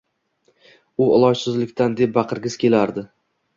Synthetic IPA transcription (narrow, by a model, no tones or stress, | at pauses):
ʊɒ̰lˠɒjsɪzlɪkʲt̪ʰand̪e̞p̚baqʰɨɾɡʲɪz̥kʲʰe̞laɾd̪ɪ